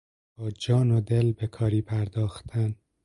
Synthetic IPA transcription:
bɒːd͡ʒɒːnod̪elbekʰɒːɾiːpʰæɾd̪ɒːxt̪ʰæn

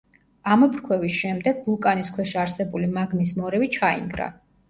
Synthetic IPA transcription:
amɔpʰɾkʰwɛvisʃɛmd̪ɛɡ̚bulˠkʼaniskʰwɛʃiaɾsɛbulimaɡnismɔɾɛvit͡ʃʰaḭŋɡɾa̰

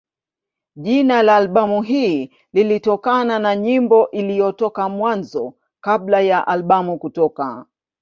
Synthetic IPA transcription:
ʄinalaːlɓamuɦiː | lilitɔkananaɲimbɔʔilijɔtɔkamwanzɔ | kablajaʔalɓamukutɔka

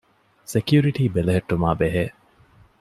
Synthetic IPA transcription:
sekjuɾiʈiːbelɐɦeʈːumaːbeɦeː

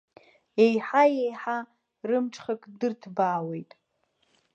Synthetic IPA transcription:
ejħajejħa | rɨmʈ͡ʂʰʼχakʼdɨrtʰbaːwe̞jtʼ

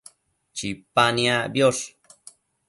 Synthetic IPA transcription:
t͡ʃipaniabjos

